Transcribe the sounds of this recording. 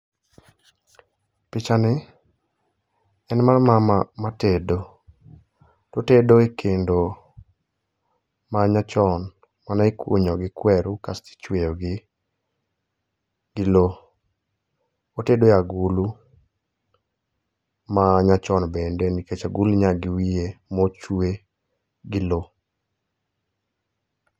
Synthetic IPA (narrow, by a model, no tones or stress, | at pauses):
pɪt͡ʃanɪ | ɛnmarmamamatedo | totedoekʰendo | maɲat͡ʃɔn | manaikṵɲɔɡɪkwɛɾukastɪ̥t͡ʃwejoɡɪ | ɡɪlo | otedojaɡulu | maɲat͡ʃɔnbɛndɛniket͡ʃaɡulɲaɡɪwiemot͡ʃwe | ɡɪlo